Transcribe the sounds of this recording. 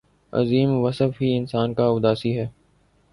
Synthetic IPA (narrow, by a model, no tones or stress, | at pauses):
ɐ̰ziːmʋəsəfɦiɪnsaːnkaʊd̪aːsiɦɛː